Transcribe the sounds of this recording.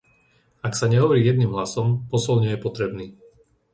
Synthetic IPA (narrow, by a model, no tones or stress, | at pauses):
aksaɲɛɦɔʋɔɾiːjɛd̪̚niːmɦlasɔmpɔsɔlɲɔjɛpɔt̪ɾɛbniː